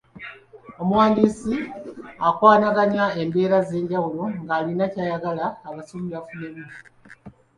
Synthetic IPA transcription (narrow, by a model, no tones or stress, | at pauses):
o̞muwaːndiːsiakwaːnaɡaɲae̞mbe̞ːɾaze̞ːɲɟawulo̞ŋɡaːlinacaːjaɡalaːβasuːβiβafuneːβiɾi